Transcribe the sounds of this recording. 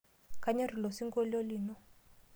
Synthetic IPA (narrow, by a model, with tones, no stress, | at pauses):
kʰa˨ɲa˦ri˨lɔ˨si˦ŋɡɔ˦lo˦liː˨nɔ˦